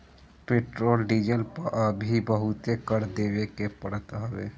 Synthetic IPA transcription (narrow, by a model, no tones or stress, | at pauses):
peːʈɾoːlɖiːd͡ʒəlpəɾʔəbʱibəɦʊt̪ekəɾd̪eːʋekepəɽət̪ɦəʋḛː